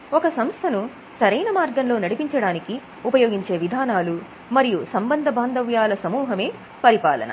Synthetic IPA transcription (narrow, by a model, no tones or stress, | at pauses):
ɔkɐsɐmst̪ʰɐnu | sɐɾɐjnɐmaːɾɡɐnlo̞ːnɐɽipiɲt͡ʃɐɽaːniki | upɐjo̞ːɡiɲt͡ʃe̞ːʋid̪ʱaːnaːlu | mɐɾijusɐmbɐnd̪ʱɐbʱaːnd̪ʱɐʋjaːlɐsɐmuːɦɐme̞ː | pɐɾipa̰ːlɐ̰nɐ̰